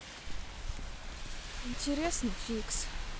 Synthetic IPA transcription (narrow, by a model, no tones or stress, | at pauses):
inʲtʰʲeɾʲesnɨfʲiks